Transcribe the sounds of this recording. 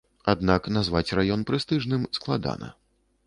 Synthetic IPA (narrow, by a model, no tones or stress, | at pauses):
ad̪naknazvat͡sʲrajɔnpɾɨst̪ɨʐnɨmsklˠad̪a̰nɐ̰